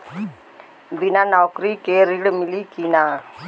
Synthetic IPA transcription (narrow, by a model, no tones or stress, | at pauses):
ʋinanaːkɾikeːɾiɽmilikina